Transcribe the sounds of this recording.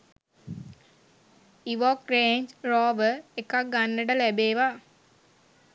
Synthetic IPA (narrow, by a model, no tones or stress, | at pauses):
iʋokreːɲd͡ʒɾaːʋəekak̚ɡanːəʈəlæbeːʋa